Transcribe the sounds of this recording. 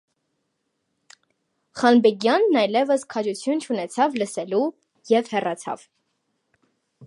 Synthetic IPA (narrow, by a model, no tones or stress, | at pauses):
χɑnbɛɡjɑnːɑjlɛvəskʰɑd͡ʒut͡sʰjunt͡ʃʰunɛt͡sʰɑvləsɛlu | jɛvhɛrɑt͡sʰɑ̰v̥